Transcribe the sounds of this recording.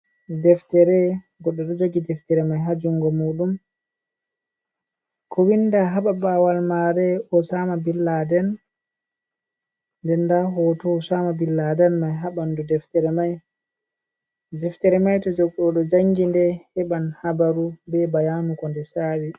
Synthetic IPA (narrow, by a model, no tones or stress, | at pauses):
dɛftɛɾɛ | ɡɔɗːɔɗɔd͡ʒoɡidɛftɛɾɛmajɦad͡ʒuŋɡɔmuːɗum | kʰɔwinːdaɦaɓabaːwalmaɾɛʔɔsaːmabilːadɛn | ndɛndaɦɔtɔsaːmabilːadɛnmajɦaɓandudɛftɛɾɛmaj | dɛftɛɾɛmajtɔd͡ʒɔɡɔɗɔd͡ʒaŋɡindɛhɛɓanhabaɾubɛbajanukɔndɛsaːwi